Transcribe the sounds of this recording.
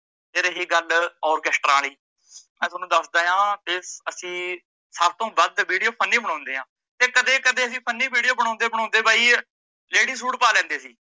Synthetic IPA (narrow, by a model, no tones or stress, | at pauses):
t̪eːɾeːɦeɡəlɔːɾkɛːsʈɾaːliː | mɛ̃ːt̪ːnũːd̪əsd̪aːjãːt̪eːəsĩː | saːɾ̚t̪õːbəd̪ʋiːɽijoːpʰənːĩːbəɽãːnd̪eːɦãː | t̪eːkəd̪eːkəd̪eːəs̬ĩːpʰənːĩːbiːɽijoːbəɽ̃ãːnd̪eːbəɽãːnd̪eːbaːiː | leːɽiːs̬uːʈpaːlɛ̃ːnd̪eːsiː